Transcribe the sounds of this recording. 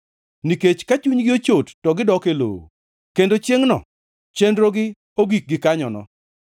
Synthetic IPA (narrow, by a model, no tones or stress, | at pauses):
niket͡ʃkat͡ʃuɲɡɪot͡ʃotːɔɡɪdɔkelo̰o̰ | kendot͡ʃjeŋnɔ̰ | t͡ʃendɾoɡɪ | oɡik̚ɡɪkaɲɔnɔ̰